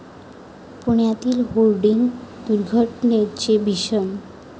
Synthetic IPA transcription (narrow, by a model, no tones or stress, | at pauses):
punijat̪ilholɖiŋd̪uɾɡʱɔʈnet͡ɕebiʃom